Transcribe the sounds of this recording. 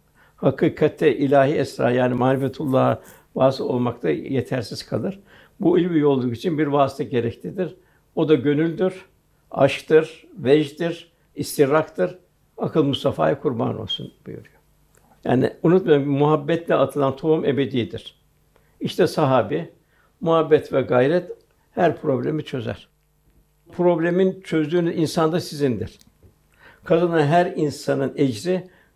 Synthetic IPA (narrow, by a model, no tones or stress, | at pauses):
hakʰɯːkʰat̪ʰːɛʔilʲaːɦiɛsɾa̰ːjaːnimaːlʲifet̪ʰulˠːaɦa | vaːsɯo̞̰lˠmak̚t̪ʰajet̪ʰæɾsiz̥kʰa̰lˠɯɾ̥ | builʲbijolˠd̪ukit͡ʃʰinbiɾvaːsi̥t̪ʰaɟe̞ɾɛclʲid̪iɾ | o̞d̪aɟø̞nylʲd̪iɾ | a̰ʃkt̪ɯɾ̥vɛʒd̪iɾ | ist̪ʰiɾakt̪ɯɾ | akʰɯlˠmust̪afa̰ːjakʰuɾba̰no̞̰lˠsṵnbujṵɾujo | ja̰ːnḭunut̪majmmuɦabːɛt̪lʲɛat̪ʰɯlˠant̪ʰo̞ume̞be̞d̪ijid̪iɾ̥ | iʃt̪ʰɛsaɦaːbi | muhabːɛt̪vɛɡajɾɛt̪ | hæɾpʰɾo̞blʲemit͡ʃʰø̞zæ̰ɾ̥ | pʰɾo̞blʲemint͡ʃʰø̞zd̪yːnyzinsand̪asizind̪ḭɾ̥ | kʰad̪ɯnaɦæɾinsanɯned͡ʒɾi